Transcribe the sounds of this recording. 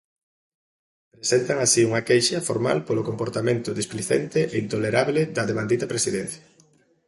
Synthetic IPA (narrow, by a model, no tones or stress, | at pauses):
pɾesent̪ɐŋasiuŋɐkejʃɐfoɾma̰lpolokompoɾt̪amẽnt̪ʊðispliθḛnt̪eʔeint̪oleɾaβleðɐðemand̪it̪ɐpɾesiðɛn̟θjɐ